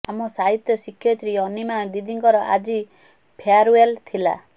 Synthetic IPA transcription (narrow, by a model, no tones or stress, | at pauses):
amɔsaɦit̪jɔsikʰːjɔt̪ɾiɔnimad̪id̪iŋkɔɾɔʔa̰d͡ʒi | pʰeaɾuelt̪ʰila̰